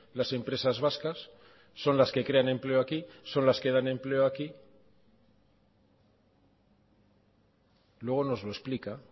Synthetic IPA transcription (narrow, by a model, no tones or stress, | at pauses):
lase̞mpɾe̞sazβaskasː | o̞nlaske̞kɾe̞ane̞mple̞oakiso̞nlaske̞ðane̞mple̞oaki | lwe̞ɣ̞o̞no̞zlo̞esplika